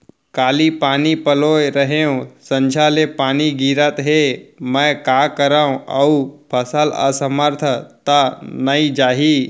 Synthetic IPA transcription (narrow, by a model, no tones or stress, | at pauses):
kaːlipaːnipəloːjɾəɦeõsə̃nd͡ʒʱalepaːniɡiːɾət̪ɦemɛ̃kaːkəɾaːũʔə̰upʰəsələ̰səməɾt̪ʰət̪anəid͡ʒaːɦiː